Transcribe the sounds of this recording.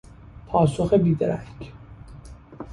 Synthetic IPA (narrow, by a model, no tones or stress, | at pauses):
pʰɒːso̞xebiːd̪eɾæ̰k